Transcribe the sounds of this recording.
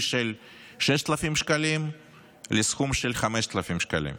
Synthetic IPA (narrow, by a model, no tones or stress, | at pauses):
ʃel | ʃeʃt̪alafimʃkalim | lesxumʃelχameʃt̪alafimʃka̰lḭm